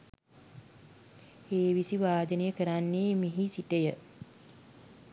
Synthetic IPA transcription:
eːʋisiʋaːd̪ənəjəkəɾanːeːmeɦisiʈəjə

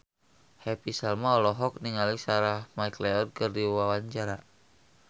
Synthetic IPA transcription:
hɛpisalmaɔlɔɦɔk̚niŋalisaɾahmajklɛɔd̚kɨrdiwawaɲt͡ʃaɾa

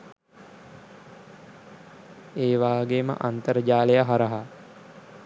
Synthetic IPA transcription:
eːʋaːɡemə̰ʔant̪əɾəd͡ʒaːlejaɦaɾəɦa

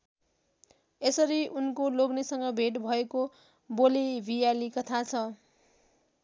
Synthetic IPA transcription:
esʌɾiunkoloɡnesʌŋɡʌbʱeʈbʱʌeko | bolibʱijalikʌt̪ʰat͡sʰʌ

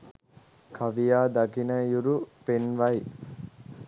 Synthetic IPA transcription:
kʰaʋijaːd̪aɡinəjuɾupenʋaj

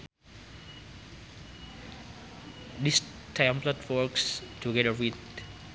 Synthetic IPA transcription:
dis | tʰajmplatfɔɹkstʰuɡɛdəwid

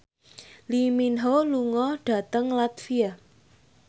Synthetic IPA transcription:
liminɦoluŋɔɖ̥a̤t̪əŋlat̪fia

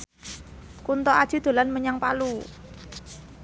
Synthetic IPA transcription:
kunt̪ɔad̥ʒ̥i̤d̪̥o̤lanməɲaŋpalu

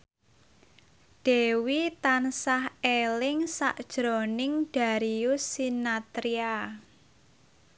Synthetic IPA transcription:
d̥ewit̪ansahelɪŋsa̰ʔd̥ʒ̥ɾonɪŋɖ̥a̤ɾiʊsːinat̪ɾia

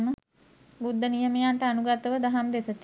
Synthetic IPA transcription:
mə | bud̪ʱːənijəmejaɳʈəanuɡat̪əʋəd̪aɦamd̪esət̪i

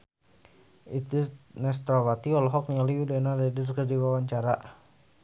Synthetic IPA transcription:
it̪nɛs̬t̪ɾawat̪iɔlɔɦɔk̚nialiudɛnarɛdərkərdiwawaɲt͡ʃaɾa

